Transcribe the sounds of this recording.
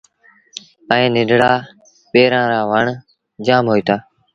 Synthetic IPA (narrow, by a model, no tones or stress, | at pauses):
ɛ̃ːnɪɖɽaː | peːɾãːɾaːʋəɳ | d͡ʒaːmɦoːiːt̪ʰaː